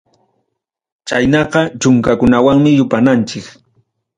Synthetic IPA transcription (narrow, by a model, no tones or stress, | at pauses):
t͡ʃajnɑqɑt͡ʃʊŋkakʊnawaŋmɪjʊpanant͡ʃɪk